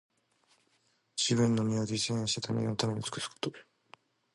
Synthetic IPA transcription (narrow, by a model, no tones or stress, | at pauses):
d͡ʑibɯ̟̃nːo̞mʲiod̪iisẽẽɕi̥t̪at̪ʰamḛɲonot̪ame̞ɲʲit͡sɨ̥kɯ̟̥sɨ̥ko̥t̪o